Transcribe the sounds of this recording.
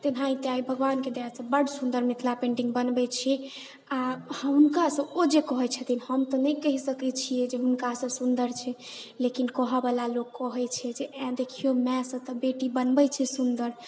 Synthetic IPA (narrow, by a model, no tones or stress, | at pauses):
t̪ebʱãĩt̪eaibʱəɡʋanked̪esə̃bəɽsund̪əɾmit̪ʰlapẽɳʈiŋɡbənbɛt͡ʃʰɛ | ahəɦunkasə̃od͡ʒekəɦɛt͡ʃʰət̪ʰinhəmt̪ɔnəjkəɦisəkɛt͡ʃʰijed͡ʒeɦunkasə̃sund̪əɾt͡ʃʰɛlekinkəɦəbelalokːəɦɛt͡ʃʰɛd͡ʒeɛ̃d̪ekʰijomɛ̃sə̃t̪ɔbeʈibənbɛt͡ʃʰɛsund̪əɾ